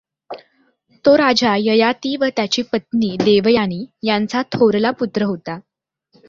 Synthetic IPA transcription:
t̪oɾad͡zajəjat̪iːʋət̪jat͡ɕiːpət̪niːd̪eʋjaɽ̃iːjant͡sat̪ʰoɾlaput̪ɾəɦot̪a

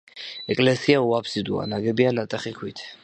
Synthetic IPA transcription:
ɛkʼlɛsiauapʰsid̪ua̰naɡɛbianat̪ʼɛχikʰwit̪ʰ

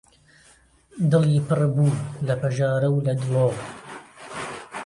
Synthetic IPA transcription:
d̪ɨliːpɨrbuːlɐpɐʒaːɾɐwlɐd̪loːw

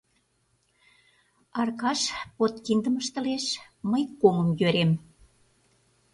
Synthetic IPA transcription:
ɑrkɑʃpot̪kind̪əməʃt̪ə̆leʃməjkomə̆mjøɾem

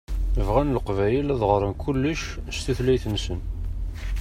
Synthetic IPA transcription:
əvʁænləqvæjəlæðʁəɾˤənkʰulːəʃst̪uθlæjθənsən

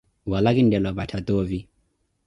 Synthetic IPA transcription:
walakindɛlwaβatʰat̪ɔvi

